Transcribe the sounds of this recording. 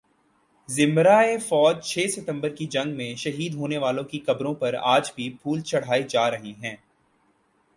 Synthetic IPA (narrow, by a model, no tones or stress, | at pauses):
zɪ̃mbɾaːefɔːd͡ʒt͡ʃʰeːsɪt̪ə̃mbəɾkid͡ʒɐ̃ŋɡmẽʃɐɦiːd̪ɦoːneʋaːlõkikɐbɾõpɐɾa̰ːd͡ʒbʱipʰuːlt͡ʃʰɐɽ̤aːid͡ʒaːɾɐɦiɦɛ̃ː